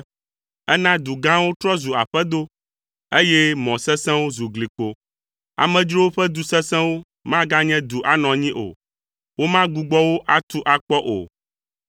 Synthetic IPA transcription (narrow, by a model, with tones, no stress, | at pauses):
ɛ˦nã˦d̪u˨ɡã˦wo˦t̪ɾɔ˦zu˨a̰˨ɸɛ˦d̪o˦ | e˦jɛ˦mɔ̃˨sɛ̃˦sɛ̃˦wo˦zu˨ɡli˨k͡po˨ | a̰˨mɛ̃˨d͡ʒɾo˦wo˦ɸɛ˦d̪u˨sɛ˦sɛ̃˦wo˦ | mã˦ɡa˦ɲɛ̃˦d̪u˨ʔa˨nɔ̃˨ɲĩ˦ʔo̰˨ | wo˦mã˦ɡu˨ɡ͡bɔ˦wo˦ʔa˦t̪u˦ʔa˨k͡pɔ˦ʔo̰˨